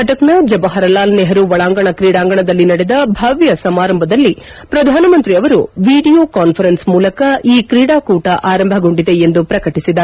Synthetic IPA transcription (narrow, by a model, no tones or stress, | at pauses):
ɐʈɐknɐd͡ʒɐbɐɦɐɾɐlaːlneɦɐɾuʋɐɭaːŋɡɐɳɐkɾiːɽaːŋɡɐɳɐd̪ɐlːinɐɽed̪ɐbʱaːʋjɐsɐmaːɾɐmbʱɐd̪ɐlːi | pɾɐd̪ʱaːnɐmɐnt̪ɾiɐʋɐɾuʋiːɖijoːkaːnpʰɐɾensmuːlɐkɐiːkɾiːɽaːkuːʈɐʔaːɾɐmbʱɐɡo̞ɳɖid̪e̞end̪upɾɐkɐʈisid̪ɐɾ